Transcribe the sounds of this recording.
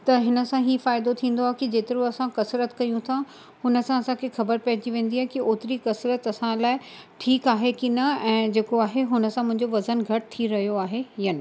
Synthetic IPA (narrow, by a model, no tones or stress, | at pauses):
t̪ɐɦɪnə̆sãɦiːfaːɪd̪ot̪ʰĩːn̆d̪oaːɦekid͡ʑeːt̪ɪɾũɐsãkɐsɾət̪kɐjũt̪ʰã | hʊnə̆sãɐsãkʰexɐbəɾpɐɦɪt͡ɕiʋẽːn̆d̪iaːɦekioːt̪ɪɾikɐsɾət̪ɐsãlaːɪʈʰiːkaːɦekinɐɛ̃ːd͡ʑeːkoaːɦeɦʊnə̆sãmʊ̃ɦɪ̃ɲd͡ʑoʋɐzənɡʱɐʈt̪ʰiɾɐɦijoaːɦejɐnɪ